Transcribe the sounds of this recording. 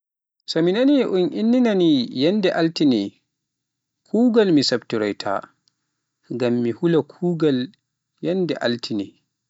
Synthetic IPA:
sɔminaniʔunʔinːinanijɛndɛʔaltinɛ | kʰuːɡalmisabtiɾɔjtʰa̰ː | ŋɡamːihulakʰuːɡal | jɛndɛʔa̰ltʰinɛ̰

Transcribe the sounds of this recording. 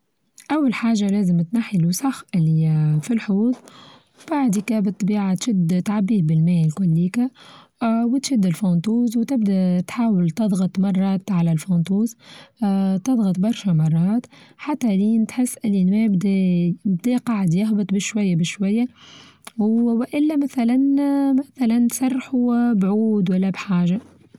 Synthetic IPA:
ʔæwːalħaːʒalæːzəmt̪naħilusɑxʔɪlːifilħuːt̪ˤ | b̥aʕd̪ikæbɨt̪ˤːbiːʕat̪ʃɪd̪t̪ʕabːiːhbɪlmæːjɪlkʊlːiːkæ | wɪt̪ʃɪd̪ːɪlfɑnt̪uːzwt̪ɪbd̪æt̪ħaːwɪlt̪ɑðˤɣɑt̪ˤmɑrˤːɑːt̪ʕalælfɑːnt̪uːz | t̪ɑðˤɣɑt̪ˤbɑɾˤʃæmɑrˤːɑːt̪ħat̪ːæliːnt̪ħɪsːʔɪlinmɛːbd̪æbd̪æqɑʕəd̪jɑɦbɨt̪ˤbɪʃwæjːabɪʃwæjːa | wwʔɪlːæmæθælænmæθælænt̪sɑrˤːħubʕuːd̪wælːæbħaːʒa

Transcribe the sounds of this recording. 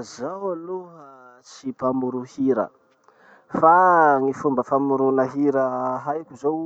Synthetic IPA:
zawaluɦa | t͡ʃipamuɾuhiɾə̰ | faŋifumbəfamuɾunəɦiɾəɦajkʲuzow

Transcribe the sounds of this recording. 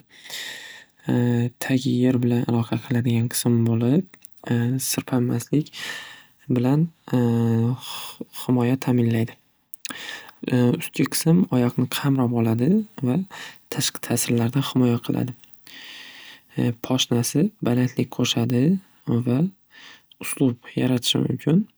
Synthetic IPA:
t̪ʰaɡʲjeɾbɪlanʔalˠɒqʰɑqʰɨlˠad̪ɪɡʲanqʰɨ̥smmbolɪp̚ | sɪɾpʰamːaslɪkʲ | bɪlan | hɪmɒjat̪ʰamɪnlajd̪ɪ | ʊst̪̚kʰʲaqʰɨ̥smɒjɒqnɪqʰɑmɾɒpɒlˠad̪ɪvat̪ʰaʃqʰɪ̥t̪ʰaːsɪɾlaɾd̪anhɪmɒjaqʰɨlˠʔa̰d̪ɪ | pʰɒʃnasɪbalant̪ʰlɪk̚ʲqʰoʃad̪ɪ | va | ʊslˠʊpjaɾat̪ʰɪ̥ʃɪ̰mʊ̰mkʲʰɪn

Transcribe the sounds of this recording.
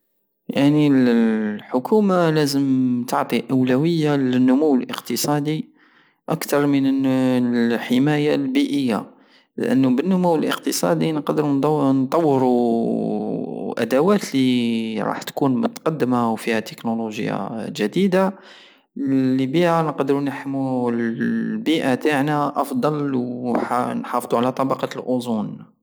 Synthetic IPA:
jaʕnilħʊkʰumalæzəmt̪ʰəʕt̪ˤiʔæwlæwəjːalənːʊmuwːəlʔə̰qt̪əsˤɑd̪i | ʔakt̪ɑɾˤmən | ħəmæjalbiʔəjːa̰ | l̰ʔə̰nːubənːʊmuwəlʔə̰qt̪əsˤɑ̰d̪inqɑd̪əɾnnt̪ˤɑwːəɾu | ʔæ̰d̪æwæt̪liɾˤɑ̰ħt̪kunmʊ̰t̪qɑd̪ːəmawfihæt̪ə̥knuluʒəja̰ʒæd̪id̪a | libiʔanəqd̪əɾunħəmːulbiʔat̪aʕnaʔɑfd̪ˤɑlw | nħɑfd̪ˤuʕalæt̪ˤɑbɑqɑlʔozˤun

